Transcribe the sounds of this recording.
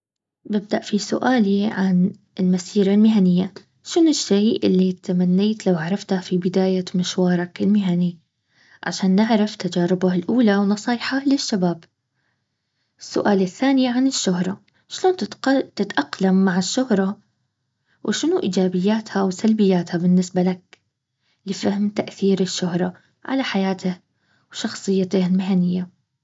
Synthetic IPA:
bɪb̚d̪aʔfisʊ̰ʔaːliʕan | ɪlmasiːɾalmɪɦanɪjːa | ʃɪnʊʃːeːʔɪlːit̪amanːeːt̪lawʕaɾˤɑft̪afibɪd̪aːjamɪʃwɑːɾˤɑkɪlmɪɦani | ʕa̰ʃaːnːɪʕɾˤaft̪ad͡ʒaːɾɪbahalʔuːlawnɑsˤiːħalɪʃːabaːb | ɪsːʊ̰ʔaːlɪθːaːniʕanɪʃːʊhɾˤɑ | ʃloːnt̪ɪt̪ʔɑqlamːaʕɪʃːʊhɾˤɑ | wʔɪʃɪnuʔḭːd͡ʒaːbɪjːaːt̪hawsalbɪjːaːt̪habɪnːɪsbalak̚ | lɪfahɪmt̪aʔθiːɾɪʃːʊhɾˤɑ | ʕa̰laħajaːt̪ɪh | wʃɑxsˤɨjːat̪ɪhlmɪɦanɪjːa

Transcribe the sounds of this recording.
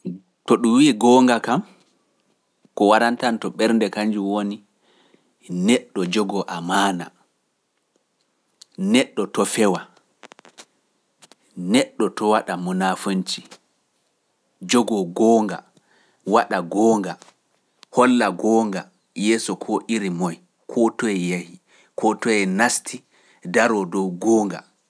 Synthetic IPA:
tɔɗumwiːɡɔːŋɡakam | kɔwaɾantantɔɓɛɾndɛkaɲd͡ʒuwoni | nɛɗːɔd͡ʒɔɡɔʔamaːna | nɛɗːɔtɔfɛwa | nɛɗːɔtɔwaɗamunafont͡ʃi̥ | d͡ʒɔɡɔɡɔːŋɡa̰ | waɗaɡɔːŋɡa | hɔlːaɡɔːŋɡa | jɛːsɔkʰɔʔiɾimɔj | kʰɔtɔɛjahi | kʰɔtɔɛnastʰi | daɾɔdɔwɡɔːŋɡa̰

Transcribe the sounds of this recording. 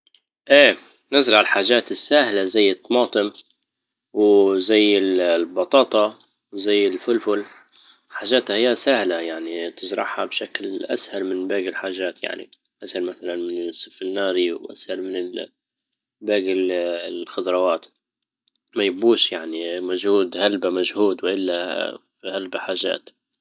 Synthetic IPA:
ʔeː | nɪzɾˤɑʕɪlħaːʒaːt̪ɪsːaːhlazajːɨt̪ːɑmɑːt̪ˤɨm | wzajːɪlbɑt̪ˤɑːt̪ˤɑ | wzajːɪlfʊlfʊl | ħaːʒːaːt̪hahɪjːasahlajaʕnit̪ɪzɾˤɑ̰ʕhabʃaklʔa̰shalmɪnbaːɡɪlħaːʒaːt̪ja̰ʕnḭ | ʔashalmaθalanmɪnsˤɨfɪnːɑːɾiwʔa̰shalmɪnɪ | baːɡɪlxʊd̪ɾˤɑwaːt̪ | majɪbuːʃjaʕnimʊʒhuːd̪halbamaʒhuːd̪wɪʔɪlːa | halbaħaːʒa̰ːt̪

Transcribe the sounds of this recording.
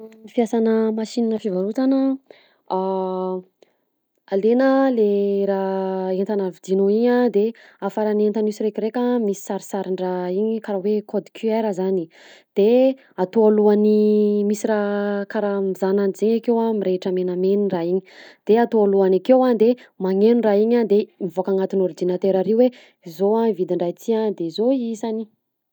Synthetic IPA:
ifijasanəmaʃininəfivaɾut̪anə | a | alenəleɾaent̪anavid̪inoiɲad̪e | afaɾanent̪anusiɾekiɾekʲamisi̥saɾisaɾiɳɖ͡ʐaiɲikaɾawekɔd̪i̥kʰiajɾazani | d̪̥e | at̪oaluanimisiɾakaɾamizananizeɲakewamiɾeʈ͡ʂəmenameniraiɲi̥d̪̥eat̪oaluanakewad̪emaŋenuraiɲad̪emivokaŋat̪inoɾd͡ʒinat̪eɾaɾiuwe | zoavid̪iɳɖ͡ʐajt̪ʰiand̪ezoizani

